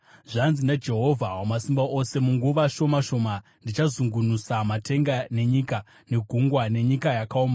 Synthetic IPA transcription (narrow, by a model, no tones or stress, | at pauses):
ʐanzinad͡ʒe̞ɦo̞vʱawomasimbaʔo̞se̞muŋɡuʋaʃo̞maʃo̞ːma | ndit͡ʃazuŋɡunusamatʰe̞ŋɡane̞ɲika | ne̞ɡʱuŋɡwane̞ɲikajakaoːma